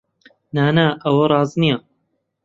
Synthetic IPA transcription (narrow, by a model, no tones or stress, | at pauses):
naːnaːʔɐwɐɾˤɑːznijɐ